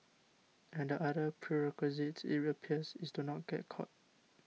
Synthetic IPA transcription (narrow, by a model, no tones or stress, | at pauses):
ɛ̃ndəʔadəpʰɹiɹɛkwizitḭtɹiəpʰiəsisdunɔt̚ɡ̥ɛ̰t̚kʰɔ̰t̚